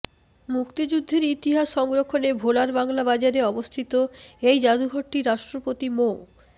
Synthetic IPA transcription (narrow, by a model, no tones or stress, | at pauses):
mukt̪id͡ʑud̪ʱːeɾit̪iɦaʃʃɔŋɡɾokʰːonebʱolaɾbaŋlabad͡ʑaɾeɔbost̪ʰit̪oejd͡ʑad̪uɡʱoʈːiɾaʃʈɾopot̪imo